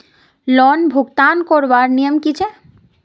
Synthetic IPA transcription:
lɔnbʱuɡt̪ankɔɾʋaɾnijəmkit͡ʃʰe

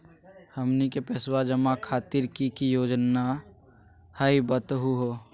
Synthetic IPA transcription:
həmnikepɛːswad͡ʒəmakʰaːt̪iɾkikijoːd͡ʒna | həɦibət̪ɦuɦoː

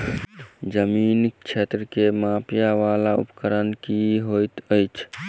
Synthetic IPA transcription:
d͡ʒəmint͡ʃʰet̪ɾəkemapjaʋalaṵpkəɾənkiɦojt̪əjt͡ʃʰ

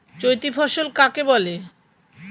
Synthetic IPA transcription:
t͡ɕojt̪ifʰɔʃolkakebɔle

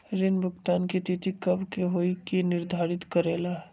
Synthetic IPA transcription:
ɾɪnbʱʊkt̪aːnkit̪it̪ikəbkeɦoikinɪɾd̪ʱaːɾɪt̪kəɾeːla

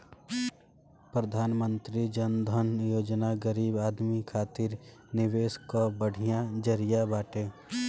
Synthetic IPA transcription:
pɾəd̪ʱaːnmə̃nt̪ɾid͡ʒənd̪ʱənjoːd͡ʒnaɡəɾiːbaːd̪mikʰaːt̪ɪɾnɪʋeːskobəɽ̤ijad͡ʒəɾɪjabaːʈeː

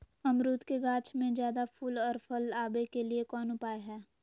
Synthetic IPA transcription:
ɐmɾuːt̪keɡaːt͡ʃmẽd͡ʒjaːd̪apʰʊlɔːɾfʰəlaːbekeliekɔːnʊpaːeɦɛː

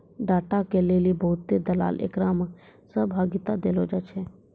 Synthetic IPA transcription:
ɖaːʈakeleːlibəɦʊt̪ːed̪əla̰ːlʔḛkɾam | səbʱaːɡɪt̪ad̪eːlod͡ʒaːt͡ʃʰɛ

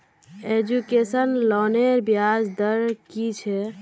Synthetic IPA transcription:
ed͡ʒukesənlɔneɾbjad͡ʒd̪əɾkit͡ʃʰɛ

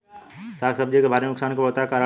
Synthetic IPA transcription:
saːksəb̚d͡ʒikebʱaːɾenʊksaːnkeʋət̪akaːɾə

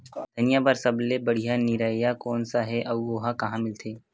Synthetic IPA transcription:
d̪̥ʱɐnijabɐɾsɐblebɐɽ̤ijaniɾaːijakɔːnsaɦɛʔɐʋɡoːɦakɐɦãmɪlt̪ʰeː

